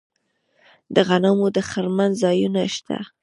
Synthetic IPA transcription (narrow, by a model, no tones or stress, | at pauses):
d̪əɣanamod̪əxaɾmanzɑjunaʃt̪a̰